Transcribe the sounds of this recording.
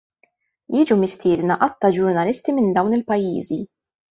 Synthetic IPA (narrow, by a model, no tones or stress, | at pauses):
jɪːd͡ʒumɪst̪ɪːd̪nɐʔɐt̪ːɐd͡ʒʊɾnɐlɪst̪imɪnd̪ɐwnɪlpɐjːḭːzi